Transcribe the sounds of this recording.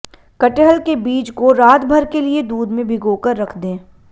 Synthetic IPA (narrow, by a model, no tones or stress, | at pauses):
kɐʈeɦəlkebiːt͡ʃkoɾaːt̪bʱəɾkelied̪uːd̪mẽbʱɪɡoːkəɾːɐkʰd̪ẽː